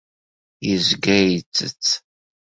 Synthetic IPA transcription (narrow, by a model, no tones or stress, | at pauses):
jəzɡæjt͡sːət͡sː